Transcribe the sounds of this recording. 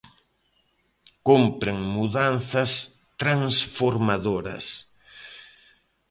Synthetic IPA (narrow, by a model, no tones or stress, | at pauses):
kompɾeŋmuðanθɐs | t̪ɾaŋsfoɾmaðoɾɐ̰s